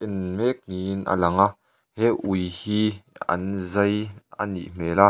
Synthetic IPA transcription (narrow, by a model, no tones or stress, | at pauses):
ʔɪnmɛk̚ŋina̰lɐŋa | hɛʔujhiːɐ̰nzɐja̰nḭʔm̥ɛːla